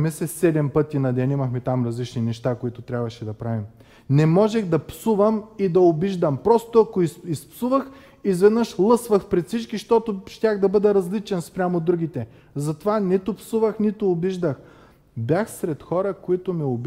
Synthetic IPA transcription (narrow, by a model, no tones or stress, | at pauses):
mɛsɛsɛd̪ɛmpɤt̪inɐd̪ɛnimɐxmɛt̪amɾɐzlit͡ʃninɛʃt̪akoit̪ʊt̪ɾʲabvɐʃɛd̪ɐpɾavim | nɛmɔʒɛxd̪ɐpsuvɐmid̪ɐobiʒd̪ɐmpɾɔst̪ʊɐkoiispsuvəx | izvɛd̪nəʃlˠɤsvɐxpɾɛt̪fsit͡ʃkiʃt̪ɔt̪ʊʃt̪ʲaɣd̪ɐbɤd̪ɛɾɐzlit͡ʃɛnspɾʲamod̪ɾuɡ̟it̪ɛ | zɐt̪ovanit̪ʊpsuvəxnit̪oːbiʒd̪əx | bjaxsɾɛt̪xɔɾəkoit̪ʊmiob